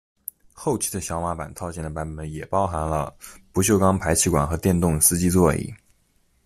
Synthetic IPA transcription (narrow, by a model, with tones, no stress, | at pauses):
xo˥˩ʊt͡ɕʰi̥˧˥d̪ə˨ɕjɑ˧˥ʊma˧˥pa̰˨˩nt̪ʰɑ˥˧ʊt͡ɕjɛ˥˩nd̪ə˩pa˧˥nə˧˥˩njɛ˨˩pɑ˥ʊxa˧˥nlə̰˧pu˧˥ɕjo˥˩ʊkɑ˥ŋpʰa˧˥ɪt͡ɕʰi˥˩kwa̰˨˩nxɤ˧˥t̪jɛ˥˧nt̪ʊ˥˩ŋsɹ̩˥t͡ɕi˥t͡swɔ˥˧ḭ˥˩˦